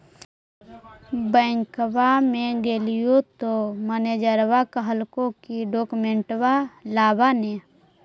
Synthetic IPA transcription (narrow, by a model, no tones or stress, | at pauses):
bəːŋkwamẽɡelijot̪oməned͡ʒəɾwakəɦəlkõkiɖoːkmẽɳʈwalaːbane